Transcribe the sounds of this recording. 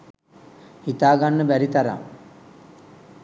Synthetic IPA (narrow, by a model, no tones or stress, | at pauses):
hit̪aːɡanːəbæɾit̪aɾa̰ŋ